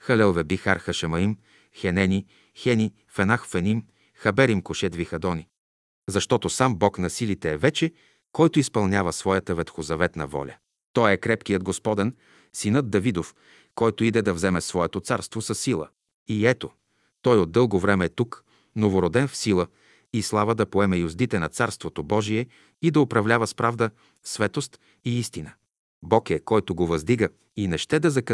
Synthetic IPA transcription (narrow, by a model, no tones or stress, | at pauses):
xɐlɛlˠvɛbixaɾxɐʃɐmɐim | xɛnɛni | xɛni | fɛnaxfɛnim | xɐbɛɾimkoʃɛd̪vixɐd̪ɔni | zɐʃt̪ɔt̪osambɔknɐsilit̪ɛːvɛt͡ʃɛ | kɔjt̪ʊispɐlˠnʲavəsvɔjət̪əvɛt̪xozɐvɛt̪nɐ̰vɔ̰lʲɐ̰ | t̪ɔjɛkɾɛpkijəd̪̚ɡospɔd̪ɛn | sinɤd̪̚d̪ɐvid̪of | kɔjt̪oid̪ɛd̪ɐvzɛmɛsvɔɛt̪ot̪saɾst̪vosɐsːilˠə̰ | iɛt̪o | t̪ɔjod̪̚d̪ːɤlˠɡovɾɛmɛːt̪uk | novoɾod̪ɛnfsilˠə | islˠavəd̪ɐpoɛmɛjʊzd̪it̪ɛnɐt̪saɾst̪vot̪obɔʒiɛ | id̪ɐopɾɐvlʲavəspɾavd̪ə | svɛt̪ost̪ | iist̪inə | bɔkɛkɔjt̪oɡovɐzd̪iɡə | inɛʃt̪ɛd̪ɐzɐk